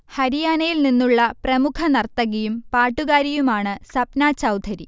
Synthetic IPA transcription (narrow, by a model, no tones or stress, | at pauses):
hɐɾijaːnɐjilninːuɭːɐprɐmukʰɐnɐrt̪ːɐɣijumpaːʈːuɣaːɾijumaːɳɨsɐpnaːt͡ɕɐwd̪ʱɐɾi